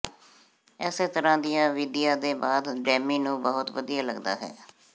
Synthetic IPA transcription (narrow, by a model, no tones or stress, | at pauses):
ɛːseːt̪əɾãːd̪ɪjãːʋɪd̪ɪjãːd̪eːbaːd̪ɖɛːmiːnũːbəɦʊt̪ʋəd̪ijaːləɡd̪a̰ːɦɛ̰ː